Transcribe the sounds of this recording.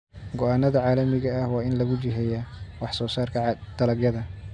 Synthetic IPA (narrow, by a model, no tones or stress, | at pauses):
ɡɔʔaːnːɐðɐʕɑːlɐmɪɣɐːhwɑːɪnlɐɣʊt͡ʃɪɦɛjawɑħsɔːsaːrkʰɐd̪̥ɐlɐɡjɐðɐ